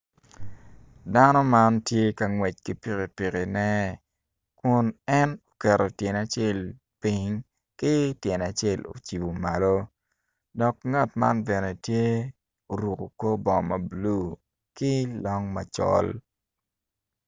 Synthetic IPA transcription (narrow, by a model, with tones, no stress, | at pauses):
da˦nɔ˦ma˦ntje˦ka˨ŋwɛ˨t͡ʃ̚kɪ˦pi˨ki˨pi˨kɪ˨nɛ˦ | kʊ˨nɛ˦no̥˨kɛ˨ɾo˨tjɛ˨na˨t͡ʃe˦˨l | pi˦ŋ | kɪ˦tjɛ˨na˨t͡ʃe˦˨lo̰˨t͡ʃi˨bo˨ma˨lo˦ | dɔ˨kŋa˦˨tma̰˦nbɛ˨ne˨tje˦ | o˨ɾu˨ko˨ko˦bɔ˨mɐ˨blu˦ | kɪ˦lɔ˦ŋma̰˨t͡ʃɔ̰˦l